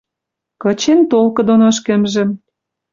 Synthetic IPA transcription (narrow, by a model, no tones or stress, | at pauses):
kɤ̆t͡ɕent̪olkɤ̆d̪onoʃkə̆mʒĕ